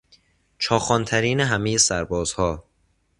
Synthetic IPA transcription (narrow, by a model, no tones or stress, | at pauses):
t͡ʃʰɒːxɒːnt̪ʰæɾiːneɦæme̞je̞sæɾbɒːz̥hɒː